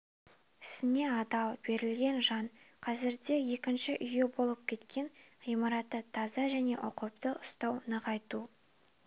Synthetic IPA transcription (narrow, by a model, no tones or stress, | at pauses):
ɪ̥sɪne̞ɑd̪ɑlˠbe̞ɾɪlɡʲe̞nʒɑɴqʰɑzɪɾd̪e̞je̞kʲɪnʃɪʔʏje̞bo̞lˠəp̚kʲʰe̞t̪kʲe̞nʁijmɑɾɑt̪ːət̪ʰɑzɑʒæne̞ʔʊqəpt̪əʔʊst̪ɑwnəqɑjt̪u